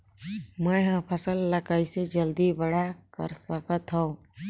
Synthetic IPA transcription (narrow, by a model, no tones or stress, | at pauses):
məɦə̃pʰəsəlːəkəised͡ʒəld̪ibəɽ̤akə̰ɾsəkət̪ɦə̃